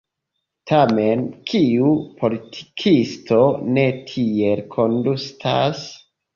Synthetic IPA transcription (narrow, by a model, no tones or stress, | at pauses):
tʰame̞nkʰiupʰo̞litʰi̥kʰistʰo̞ne̞tʰie̞lkʰo̞ndustʰas